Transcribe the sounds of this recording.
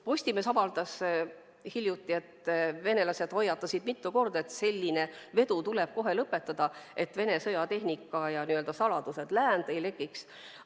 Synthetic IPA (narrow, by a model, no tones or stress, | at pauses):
po̞sʲt̪ime̞sɑvɑld̪ɑs | hilʲjut̪ːˑie̞t̪ve̞ne̞lɑse̞d̪̥ho̞jːɑt̪ːˑɑsid̪̥mit̪ːuko̞rd̪e̞t̪ːse̞lʲːine̞ve̞d̪ut̪ule̞b̥̚ko̞ɦe̞lɤpːˑe̞t̪ːˑɑd̪̥ɑe̞t̪ve̞ne̞sɤjɑt̪e̞ɦnikːˑɑjɑniøld̪ɑsɑlɑd̪̥use̞d̪̥læːnd̪̥ejle̞kːiks